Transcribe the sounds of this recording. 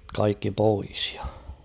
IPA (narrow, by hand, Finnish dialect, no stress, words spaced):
kɑikːi pois j̊ɑ̥